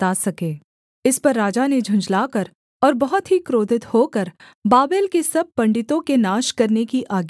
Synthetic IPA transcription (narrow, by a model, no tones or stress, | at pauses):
t̪aːsɐkeː | ɪspɐɾːaːd͡ʒaned͡ʒʱʊ̃ɲd͡ʒlaːkɐɾ | ɔːɾbɐɦɔt̪ɦikɾoːd̪ʱɪt̪hoːkɐɾ | baːbeːlkesɐb̚pɐ̃ɳɖɪt̪õkenaːʃkɐɾnekiʔaːɡi